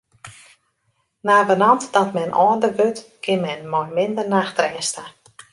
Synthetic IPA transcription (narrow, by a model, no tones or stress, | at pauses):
naːvənɔntdɔtmɛnʔɔːndəʋøtkʰɪnmɛnmɔjmɪndərnaːxtrɛːsta